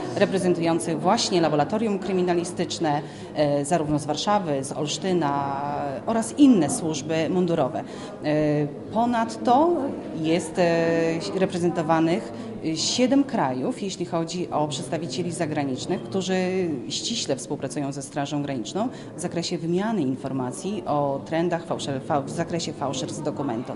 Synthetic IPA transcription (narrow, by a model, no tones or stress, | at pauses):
ɾɛpɾɛzɛnt̪ujɔnt̪sɘɣvwaɕɲɛlabɔɾat̪ɔɾʲjumkɾɘmʲinalʲist̪ɘt͡ʂnɛ | zaɾuvnɔzvaɾʂavɘzɔ̰lʂt̪ɘnaʔɔɾasinːɛswuʐbɘmund̪uɾɔvɛ̰ | pɔnat̪ːɔjɛst̪ | ɾɛpɾɛzɛnt̪ɔvanɘx | ɕɛd̪ɛmkɾajufjeɕlʲixɔd͡ʑiʔɔpʂɛt̪st̪avʲit͡ɕelʲizaɡɾaɲit͡ʂnɘxkt̪uʐɘɕt͡ɕiɕlɛfspuwpɾat̪sujɔ̃w̃zɛst̪ɾaʐɔ̃w̃ɡɾaɲit͡ʂnɔ̃w̃ | vzakɾɛɕɛvmʲjanɘinfɔɾmat̪sʲjiʔɔt̪ɾɛnd̪axfawʂɛɾfavzakɾɛɕɛfawʂɛɾzd̪ɔkumɛnt̪u